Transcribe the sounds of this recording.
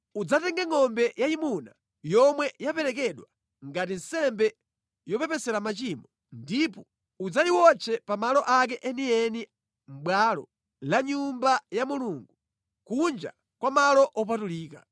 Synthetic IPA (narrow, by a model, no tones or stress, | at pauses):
ud͡zatɛŋɡɛŋɔmbɛjaimuna | jɔmwɛjapɛɾɛk̬ɛɗwa | ŋɡatinsɛmbɛ | jɔpɛpɛsɛɾamat͡ʃimɔ | ndipɔ | ud͡zaiwɔt͡sʰɛpamalɔʔak̬ɛʔɛniɛni | m̩ɓwaːlɔ̰ | laɲumbajamuluːŋɡu | kund͡ʒa̰ | kwamalɔʔɔp̬atuliːka